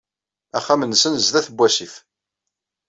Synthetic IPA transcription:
æχːæmənːsənzðæθəbʷːæsif

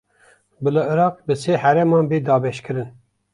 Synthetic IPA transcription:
bɨlɨɨɾɑːq̚bɨseːhæɾɛmɑːnbeːd̪ɑːbɛʃkɨɾɨn

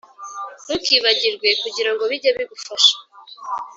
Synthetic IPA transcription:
βukiβaɟiɾɡwe̞kuɟiɾaŋɡo̞βiɟaβiɡufaʃḁ

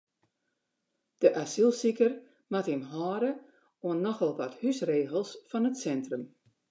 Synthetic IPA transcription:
d̥əʔasilˠsikər | matimɦɔːɾə | oənːɔxɔlˠʋɔthysreːɣəlˠsfɔnətsɛntrəm

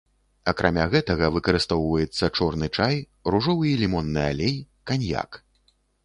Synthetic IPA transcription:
ɐkɾʔamʲaɣɛt̪ɐɣɐvɨkɐɾɨst̪ɔwvɐjɛt̪sːɐt͡ʂɔrnɨt͡ʂaj | ruʐɔvɨilʲimɔnːɨa̰lʲej | kanʲja̰k

